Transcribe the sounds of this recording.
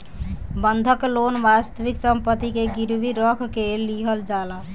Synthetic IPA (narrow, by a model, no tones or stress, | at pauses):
bənd̪ʱəklonʋast̪əʋiksəmpət̪ikeɡiɾbiɾəkʰkelːiɦəld͡ʒalə